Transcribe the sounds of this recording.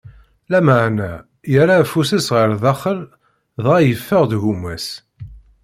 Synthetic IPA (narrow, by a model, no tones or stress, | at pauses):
læməʕnæ | jəɾafusæsʁəɾðɑχəl | ðˤʁajəfːəʁðʝumæs